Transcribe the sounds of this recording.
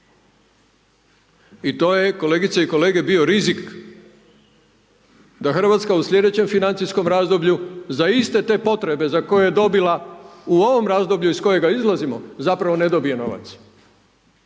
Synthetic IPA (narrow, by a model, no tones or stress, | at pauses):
it̪o̞ːjeko̞le̞ːɡit̪seiko̞le̞ːɡe̞bio̞ɾizik | d̪axr̩ʋat̪skauslʲje̞d̪e̞t͡ɕe̞mfinant̪isko̞mɾazd̪o̞bʎuzaist̪e̞t̪e̞ːpo̞t̪ɾe̞be̞zako̞jejed̪o̞bilauo̞ʋo̞mɾazd̪o̞bʎuisko̞je̞ɡaizlˠazimo̞zapɾaʋo̞ne̞d̪o̞bije̞no̞ʋa̰t̪s